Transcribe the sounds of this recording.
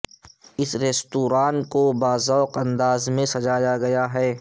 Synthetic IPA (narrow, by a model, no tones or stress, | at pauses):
ɪsɾeːst̪uːɾaːnkobaːzɔːqɐ̃nd̪aːzmẽsɐd͡ʒaːjaɡɐjaɦɛː